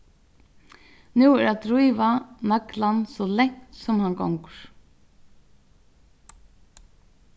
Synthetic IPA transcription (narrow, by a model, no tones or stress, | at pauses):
nuːɛɾad̪ɾujʋanaklansɔlɛŋ̥t̪sɔmhanɡɔ̰wŋkəɹ̥